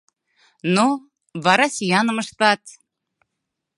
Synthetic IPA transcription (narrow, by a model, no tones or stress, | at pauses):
no | βɑɾɑsʲijɑnə̆məʃt̪ɑt̪